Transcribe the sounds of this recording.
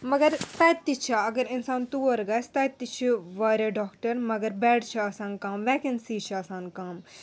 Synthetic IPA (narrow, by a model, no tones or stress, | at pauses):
mɐɡɐɾt̪ɛːt̪ːit͡ʃʰaɐɡəɾɪnsaːnt̪uːɐɾɡɐst̪ɐːt̪ːit͡ʃʰiʋaːɾeɖɔːkʈɐɾmɐɡɐɾbɛːɽt͡ʃʰiaːsaːnkaːmʋɛːkinsiːt͡ʃʰaːsaːnkaːm